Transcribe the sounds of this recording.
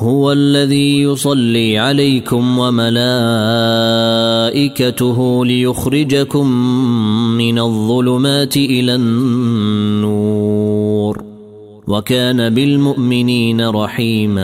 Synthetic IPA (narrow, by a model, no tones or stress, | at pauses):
hʊwalːaðiːjʊsˤɑlːiːʕalajkʊmwamalaː | ʔɪkat̪ʊɦʊlɪjʊxɾɪd͡ʒakʊmː | ɪnaðˤːʊlʊmaːt̪ɪʔɪlaːnnːu | ɾ | wakaːnabɪlmʊʔmɪniːnaɾˤɑħiːmaː